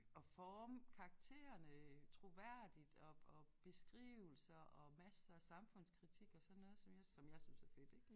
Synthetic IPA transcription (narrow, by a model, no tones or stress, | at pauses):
ɒ̽fɒːmkʰɑ̈ɑɡ̥̚t͡sʰe̝̰ːɐnət͡sʰʁo̝ʋæɐ̰d̥id̥ɒɒb̥e̝sɡ̥ʁḭːʊl̩sɐʔɒ̽mæsɐsɑ̈mfɔ̽n̰skʰʁit͡sʰiɡ̥ɒ̽sɒnnːɔ̽ːð̞̩ˠsɒ̽mjɑ̈ɪsɒ̽mjɑ̈ɪsynsæfe̝d̥eɡ̥